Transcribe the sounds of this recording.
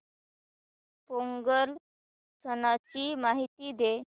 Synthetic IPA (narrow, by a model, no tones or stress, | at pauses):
poŋɡəl | sənat͡ɕiːmaɦit̪iːd̪e